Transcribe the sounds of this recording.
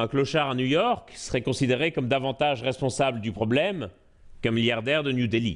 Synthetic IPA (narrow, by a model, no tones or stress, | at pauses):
ɛ̃klɔʃaʁanujɔʁksə̥ʁɛkɔ̃sid̪eʁekɔmd̪avɑ̃t̪aʒʁɛspɔ̃sabləd̪ypχɔblɛm | kɛ̃miljaʁd̪ɛʁd̪ənjud̪elḭ